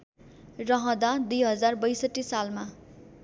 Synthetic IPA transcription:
rʌɦʌ̃d̪ad̪ujɦʌd͡zarbʌjsʌʈːisalma

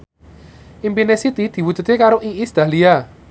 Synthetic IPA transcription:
ʔimpinesit̪id̪̥i̤wudd͡ʒ̥ṳt̪ekaɾoʔiʔisd̪̥a̤lia

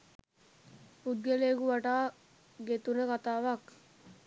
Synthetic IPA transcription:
pud̪̚ɡeleːɡuʋaʈaː | ɡet̪unəkat̪aːʋak

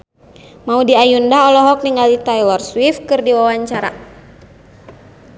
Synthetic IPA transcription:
maudiajundaɔlɔɦɔk̚niŋalit̪ajlɔrswifkɨrdiwawaɲt͡ʃaɾa̰

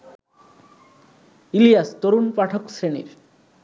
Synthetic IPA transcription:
ilijast̪oɾunpaʈʰoksɾenḭɾ

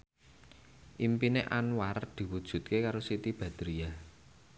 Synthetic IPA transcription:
ʔimpineʔanwaɾd̪̥i̤wud̥ʒ̥ṳt̪̚kekaɾosit̪ib̥ä̤d̪̥ɾija

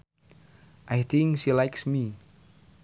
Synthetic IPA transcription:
ʔajt̪ʰɪ̃ŋkʃilaɪjksmi

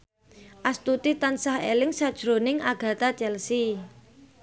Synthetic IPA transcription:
ʔast̪ut̪it̪ansahḛlɪŋsad̥ʒ̥ɾo̤nɪŋaɡ̥a̤t̪ḁt͡ʃɛlsi

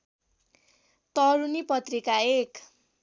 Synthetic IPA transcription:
t̪ʌɾunipʌt̪rikaek

